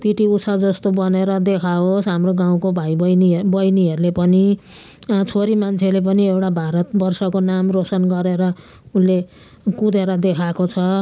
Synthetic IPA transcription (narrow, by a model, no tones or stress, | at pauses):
piʈiusʰad͡zʌst̪obʌneɾʌd̪ekʰaɦosɦamroɡaw̃kobʱajbʌjnibʌjniɦʌɾulepʌni | t͡sʰoɾimant͡sʰelep̬ʌniewʈabʱaɾʌt̪̚bʌrsʌkonamrosʌnɡʌɾeɾʌ | unle | kud̪ʱeɾʌd̪ekʰakot͡sʰʌ